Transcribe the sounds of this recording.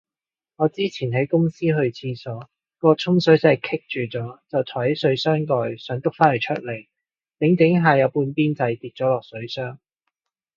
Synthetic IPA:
ŋɔː˨˧t͡siː˥t͡sʰiː˨˩nɦɐ˨˥jkʊ˥ŋsiː˥ɦɵ˧ɥt͡sʰiː˧sɔː˨˥ | kɔː˧t͡sʰʊ˥ŋsɵ˨˥ɥt͡sɐ˨˥jkʰɪ˥k̚t͡ʃyː˨t͡sɔː˨˥t͡sɐ˨wtʰɔː˨˩jhɐ˨˥jsɵ˨˥ɥsœː˥ŋkɔː˧jsœː˨˧˥ŋt̪ʊ˥k̚faː˥ne˨˩jt͡ʃʰɵ˥t̚le˨˩j | t̪ɪ˨˥ŋt͡sɪ˨˥ŋɦaː˨jɐ˨˧wpuː˧npiː˥nt͡sɐ˨˥jt̪iː˧t̚t͡sɔː˨˥lɔː˨k̚sɵ˨˥ɥsœː˥ŋ

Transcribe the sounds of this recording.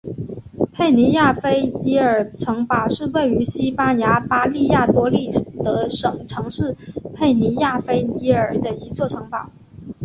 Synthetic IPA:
pʰe˥˩ɪni˧˥ja˥˩fe˥ɪi˥ə˞˨˩ʈ͡ʂʰɤ˧˥ŋpa˨˩ʊʂɻ̩˥˧we˥˩ɪy˧˥ɕi˥pa˥nja˧˥pa˥li˥˧ja˥˩t̪wɔ˥li˥˩d̪ə˧˦ʂɤ˨˩ŋʈ͡ʂʰɤ˧˥ŋʂɻ̩˥˩pʰe˥˩ɪni˧˥ja˥˩fe˥ɪi˥ə˞˨˩d̪ə˧˦i˧˥t͡sʰwɔ˥˩ʈ͡ʂʰɤ˧˥ŋpa˨˩˦

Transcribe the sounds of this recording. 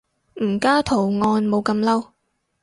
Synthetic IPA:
m̩˨˩kaː˥t̪ʰo˨˩wŋɔː˧nmo˨˧wkɐ˧mlɐ˥w

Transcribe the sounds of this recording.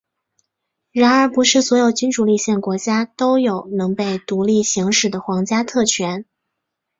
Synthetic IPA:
ɻa˧˥nə˞˧˥pu˧˥ʂɻ̩˥˩swɔ˧˥jo˨˩ʊt͡ɕy˥nʈ͡ʂu˧˥li˥˧ɕjɛ˥˩nkwɔ˧˥t͡ɕja˥t̪o˥ʊjo˨˩ʊnɤ˧˥ŋpe˥˩ɪt̪u˧˥li˥˩ɕi˧˥ŋʂɻ̩˥˩d̪ə˦xwɑ˧˥ŋt͡ɕja˥t̪ʰɤ˥˩t͡ɕʰɥɛ˧˥n

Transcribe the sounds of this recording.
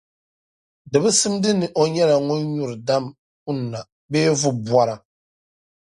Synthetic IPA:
dɨ˨bɨ˦sɨ˦mdɨ˦nɨ˨ʔo˨ɲɛ˦la˨ŋʊ˦ɲʊ˦ɾda˦m | ʊ˦nː˨a˨ | beː˦vʊ˦bwa˦ɾa˨

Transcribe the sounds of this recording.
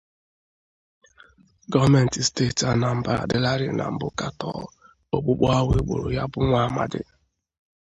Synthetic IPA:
ɡɔ˦vme˨n˨ti˨ste˦ta˦˨na˨m̩˨ba˨a̰˨dɪ˦la˦ɾɪ̰˨nʔa̰˨m̩˦bʊ˦ka˦tɔ̰ː˦ | o˨k͡pʊ˦k͡pɔ˦a˦we˦ɡ͡bo̰˨ɾo˨ja˦bʊ˦ŋʷa˦ma̰˨dɪ̰˦

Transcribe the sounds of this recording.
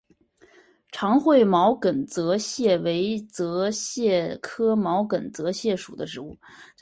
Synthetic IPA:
ʈ͡ʂʰɑ˧˥ŋxwe˥˩ɪmɑ˧˥ʊkə˨˩nt͡sɤ˧˥ɕjɛ˥˩we˧˥ɪt͡sɤ˧˥ɕjɛ˥˩kʰɤ˥mɑ˧˥ʊkə˨˩nt͡sɤ˧˥ɕjɛ˥˩ʂṵ˨˩d̪ə˦ʈ͡ʂɻ̩˧˥u˥˩

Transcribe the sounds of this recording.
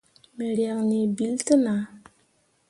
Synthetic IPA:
me˨ɾja˨k̚ne˨bi˨˦ltɨ˦na˨˦

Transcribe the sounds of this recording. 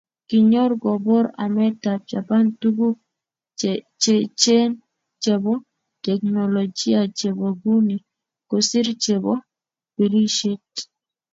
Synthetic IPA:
kɪ˨ɲɔ˦rɡɔ˨bɔ˦ɾa̰˨mɛ˦ta˨p̚t͡ʃa˨pa˦ntu˦ɡu˦ | t͡ʃe˦t͡ʃe˦n | t͡ʃe˨bɔ˦ | tɛ˨kno˨lo˨d͡ʒi˦a˨t͡ʃe˨bo˨ɡu˦ni˨ | ko˨sɪ˦ɾt͡ʃe˨bɔ˦ | pe˨ɾi˦ʃe˦t

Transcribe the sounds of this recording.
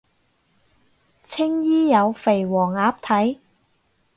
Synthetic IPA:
t͡sʰɪ˥ŋjiː˥jɐ˨˧wfe˨˩jwɔː˨˩ŋaː˨˧˥p̚t̪ʰɐ˨˥j

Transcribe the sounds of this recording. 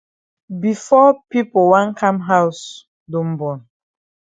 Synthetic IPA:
bi˨fɔ˦pi˦po˨wã˦nkʰã˦mɦa˦ws | du˨m̩˦bɔ˨n

